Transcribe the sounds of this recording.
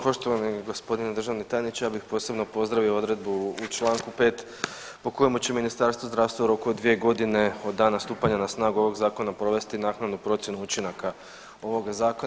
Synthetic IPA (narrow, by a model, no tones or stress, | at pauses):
po̞ʃt̪o̞ʋaniɡo̞spo̞d̪ined̪ɾr̩ʒaʋnit̪aːjnit͡ʃejaːbixpo̞ːse̞bno̞po̞zd̪ɾaʋioo̞d̪ɾe̞d̪̚buut͡ʃlˠaːŋkupe̞ːt̪ | po̞ko̞jemut͡ɕe̞minist̪aɾst̪ʋozd̪ɾaːʋst̪ʋauɾo̞kuod̪ʋie̞ɡo̞d̪ine̞o̞d̪ːaːnast̪uːpaɲanasnaːɡuo̞ʋo̞ɡzaːko̞napɾo̞ʋe̞st̪inaːknad̪nupɾo̞t̪sje̞nuut͡ʃinaka | o̞ʋo̞ɡazaːko